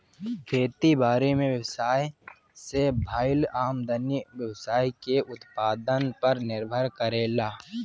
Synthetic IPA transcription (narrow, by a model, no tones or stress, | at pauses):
kʰeːt̪ibaːɾemẽwjəwsaːj | sebʱaːɪlaːmd̪ənjiwjəwsaːikeʔʊt̪paːd̪ənpɐɾnɪɾbʱəɾkəɾeːlaː